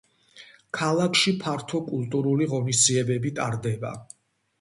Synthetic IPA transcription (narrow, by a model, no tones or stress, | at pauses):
kʰalˠakʰʃipʰaɾt̪ʰɔkʼulˠt̪ʼuɾuliʁɔnisd̪ziɛbɛbit̪ʼaɾd̪ɛba̰